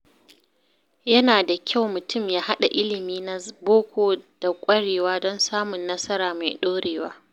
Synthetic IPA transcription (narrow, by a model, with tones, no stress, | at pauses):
jɐ˦naː˨da˨kʲʰa˦˨wmʊ˨tʊ˦˨mjaː˦ɦa˦ɗa˨ʔɪ˦lɪ˨miː˦na˦boː˦kʷʰoː˨d̥a˨kʷʼɐ˦ɽeː˨waː˦dɔ˦nsaː˦mʊ˨nːɐ˦sɐ˦ɾaː˨ma̰˨jɗoː˦ɽeː˨waː˦